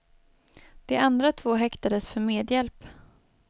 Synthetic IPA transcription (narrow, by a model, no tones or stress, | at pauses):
d̪̥ɛʔand̪ɾat̪ʰvoːɦɛkt̪ad̪əsfœɾmeːd̪jɛlp